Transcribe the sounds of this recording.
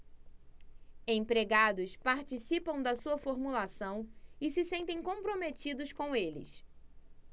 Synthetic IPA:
ẽj̃pɾeɡad̪ʊspaɾt͡ʃisipɐ̃w̃d̪ɐsuɐfoɾmulasɐ̃w̃ɪsɪsẽnt̪ẽj̃kõpɾomet͡ʃid̪ʊʃkõw̃elɪ̰s

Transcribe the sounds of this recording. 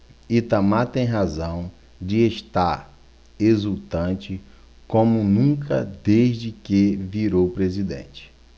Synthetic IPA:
it̪ɐmat̪ẽj̃ɦazɐ̃w̃ | d͡ʒɪeʃt̪aɾ | ezut̪ɐ̃nt͡ʃɪ | kõmʊnũkʰɐd̪eʒd͡ʒɪkeviɾowpɾezid̪ḛ̃t͡ʃɪ̥

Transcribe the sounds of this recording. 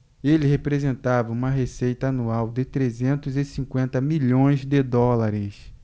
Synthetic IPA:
elɪɦepɾezẽnt̪avɐũmɐɦesejt̪ɐanuawd̪ɪt̪ɾezẽnt̪ʊzɪsĩŋkwẽnt̪ɐmiʎõj̃zd̪ɪd̪ɔlaɾɪs

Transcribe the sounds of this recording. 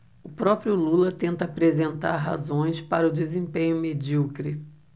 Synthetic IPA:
ʊpɾɔpɾjʊlulɐt̪ẽnt̪ɐapɾezẽnt̪a̰ɾɦa̰zõj̃spaɾɐʊd͡ʒezẽmpẽɲʊmed͡ʒikɾi

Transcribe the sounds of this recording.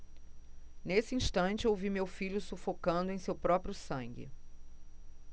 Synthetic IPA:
nesɪĩʃt̪ɐ̃nt͡ʃɪowvimewfiʎʊsufokɐ̃nd̪ʊẽj̃sewpɾɔpɾjʊsɐ̃ŋɡɪ̰

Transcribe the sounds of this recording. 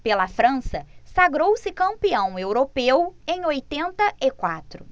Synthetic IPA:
pelɐfɾɐ̃sɐsaɡɾowsɪkɐ̃mpiɐ̃w̃ewɾopewẽj̃ojt̪ẽnt̪ɐʔɪkwat̪ɾʊ

